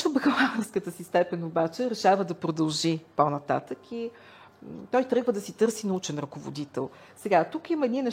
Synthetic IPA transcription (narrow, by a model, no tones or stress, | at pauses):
obəxlanəɾskət̪əsist̪ɛpɛnobat͡ʃɛɾɛʃavəd̪ɐpɾod̪ɐlˠʒiponɐt̪a̰t̪əki | t̪ɔjt̪ɾɤɡvəd̪ɐsit̪ɤɾsinɐut͡ʃɛnɾɐkovo̰d̪it̪ɛ̰lˠ | sɛɡat̪ukiməɛd̪ninɛʃ